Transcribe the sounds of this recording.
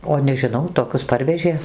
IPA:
oː nʲɛʒʲɪˈnɐʊ toːˈkʲʊs ˈpɐrʲʋʲɛʒʲeː

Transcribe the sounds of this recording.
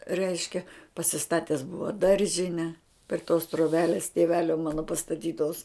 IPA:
ˈrʲɛɪʃʲkʲɛ pɐsʲɪˈstɑːtʲɛs ˈbʊʋɐ ˈdɐrʲʒʲɪnʲɛ pʲrʲɪ toːs troːˈbʲæːlʲeːs tʲeːˈʋʲæːlʲoː ˈmɑːnoː pɐstɐˈtʲiːtoːs

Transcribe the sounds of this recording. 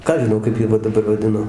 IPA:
ˈkɑː ɐʃ ʒʲɪˈnɐʊ kɐɪp ˈjiɛ ʋɐ dɐˈbɐr ʋɐˈdʲɪnoː

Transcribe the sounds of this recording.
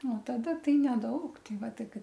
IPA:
oː tɐˈdɐ ˈtɐɪ nʲɛˈdɐʊk ˈtʲɛɪ ˈʋɐ ˈtɐɪ ˈkɐt

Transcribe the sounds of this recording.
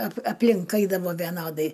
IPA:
ɐp ɐpʲˈlʲɪŋk ˈɐɪdɐʋoː ʋʲɛˈnoːdɐɪ

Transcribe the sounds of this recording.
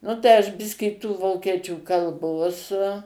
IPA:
ˈnʊ tɐɪ ɐʃ ˈbʲɪsʲkʲiː tuː ˈʋoːkʲiɛt͡ʃʲuː kɐlˠˈboːs

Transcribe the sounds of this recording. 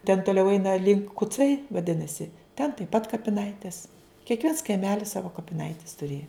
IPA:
tʲɛn toːˈlʲɛʊ ˈɛɪnɐ lʲɪŋk kʊˈt͡sɐɪ ʋɐˈdʲɪnɐsʲɪ tʲɛn tɐɪp pɐt kɐpʲɪˈnɐɪtʲeːs kʲiɛkˈʋʲiɛns kɐɪˈmʲæːlʲɪs ˈsɑːʋoː kɐpʲɪˈnɐɪtʲɛs tʊˈrʲeːjɛ

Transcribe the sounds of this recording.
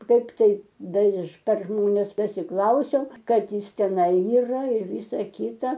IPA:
ˈkɐɪp ˈtɐɪ ˈdɐr ɪʃ pʲɛr ˈʒmoːnʲɛs pɐsʲɪˈklˠɐʊsʲɛʊ ˈkɐt ˈjɪs tʲɛˈnɐɪ iːˈrɐ ɪr ˈʋʲɪsɐ ˈkʲɪtɐ

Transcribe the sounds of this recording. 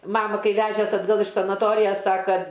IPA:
ˈmɑːmɐ ˈkɐɪ ˈʋʲæːʒʲɛs ɐdˈɡɐlˠ ɪʃ sɐnɐˈtoːrʲɪjɛs ˈsɑːkɐ

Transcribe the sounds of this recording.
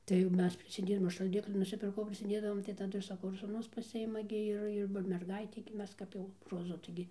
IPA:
tɐɪ ˈmʲɛs pʲrʲɪsʲɪˈdʲeːdɐʋoːm ɐʃ ʃɐlʲˈdʲɪklʲɪ nʊsʲɪˈpʲɪrkɐʊ pʲrʲɪsʲɪˈdʲeːdɐʋoːm tɐɪ tɐˈdʊ ɪr sɐˈkɐʊ ɪr suːˈnʊs pɐˈsʲɪɪmɐ ɡʲɪ ˈɪr ɪr ˈʋɐ mʲɛrˈɡɐɪtʲɛɪ ɡʲɪ ˈmʲɛs ˈkɐp jɛʊ roːˈzʊ tɐɪˈɡʲɪ

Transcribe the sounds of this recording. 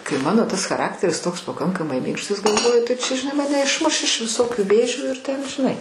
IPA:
kɐɪ ˈmɑːnoː ˈtɐs xɐˈrɑːktʲɛrʲɪs ˈtoːks pɐˈkɐŋkɐmɐɪ ˈmʲɪŋkʃtɐs ɡɐlˠˈʋoːjʊ tɐɪ ˈt͡ʃʲɛ ʒʲɪˈnɐɪ ˈmɑːnʲɛ ɪʃˈmʊʃ ɪʃ ʋʲɪˈsoːkʲʊ ˈʋʲeːʒʲuː ɪr tʲɛn ʒʲɪˈnɐɪ

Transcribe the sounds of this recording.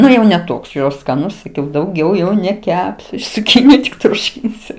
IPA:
ˈnʊ jɛʊ nʲɛ ˈtoːks jɛʊ skɐˈnʊs sɐˈkʲɛʊ dɐʊˈɡʲɛʊ jɛʊ nʲɛˈkʲæːpʲsʲʊ ɪʃ t͡sʊˈkʲiːnʲɪjʊ tʲɪk ˈtuːʃʲɪnʲsʲʊ

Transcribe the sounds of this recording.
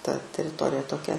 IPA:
tɐ tʲɛrʲɪˈtoːrʲɪjɛ toːˈkʲɛ

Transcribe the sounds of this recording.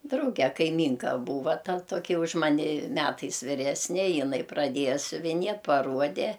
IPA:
ˈdrɐʊɡʲɛ kɐɪˈmʲiːŋkɐ ˈbuːʋɐ ˈtɐ ˈtoːkʲɪ ʊʃ ˈmɑːnʲɪ ˈmʲæːtɐɪs ʋʲɪˈrʲæːsʲnʲɛ jɪˈnɐɪ prɐˈdʲiɛjɛ sʲʊʋʲɪˈnʲiɛ pɐˈruɔdʲɛ

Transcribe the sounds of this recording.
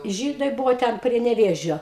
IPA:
ˈʒʲiːdɐɪ ˈbʊʋoː ˈtʲɛn pʲrʲiɛ nʲɛˈʋʲeːʒʲoː

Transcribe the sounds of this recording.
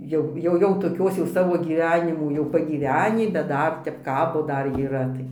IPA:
ˈjɛʊ ˈjɛʊ jɛʊ toːˈkʲoːs jɛʊ ˈsɑːʋoː ɡʲiːˈʋʲæːnʲɪmuː jɛʊ pɐɡʲiːˈʋʲæːnʲiː bʲɛt ˈdɐr ˈtʲɛp ˈkɑːboː ˈdɐr iːˈrɐ tɐɪ

